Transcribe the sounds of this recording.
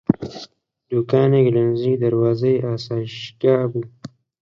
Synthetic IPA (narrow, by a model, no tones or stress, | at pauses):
d̪ukaːneɡlanziːd̪aɾwɑːzajʔaːsaːʃkaːbu